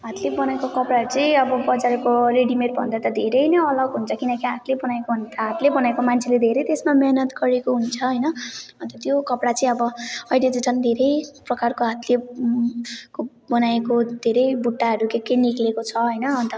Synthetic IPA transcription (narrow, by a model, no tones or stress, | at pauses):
ɦat̪lebʌnaekokʌpɽaʌɾut͡sʌĩʌbʌbʌd͡zaɾekoreɽimerbʱʌ̰nd̪at̪ʌd̪ʱeɾʌjnʌʌlʌɡɦunt͡sʰʌkinʌkiɦat̪lebʌnaekoɦunt̪ʌɦat̪lebʌnaekomant͡sʰeled̪ʱeɾʌjt̪esmamenʌt̪ɡʌɾekoɦunt͡sʰʌɦʌjnʌbʌnt̪ʌt̪jokʌpɽat͡sʌĩʌbʌʌjled͡ziʈʌnd̪ʱeɾʌjprʌkarkoɦat̪le | ko | bʌnaekod̪ʱeɾʌjbuʈːaɦʌɾukekːeniklekot͡sʰʌɦʌjnʌɦʌnt̪ʌ